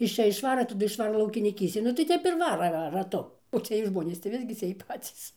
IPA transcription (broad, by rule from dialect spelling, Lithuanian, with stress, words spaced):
ɪʃ ˈt͡ʃʲɛ ɪʃˈʋɑːrɐ tɐˈdʊ ɪʃˈʋɑːrɐ lˠɐʊkʲɪnʲɪˈkʲiːsʲtʲeːn nʊ tɐɪ ˈtʲɛp ɪr ˈʋɑːrɐ rɐ rɐˈtʊ oː ˈt͡sʲiɛj ˈʒmoːnʲeːs tɐɪ ˈʋʲɪzʲɡʲɪ t͡sʲiɛj ˈpɑːt͡sʲiːs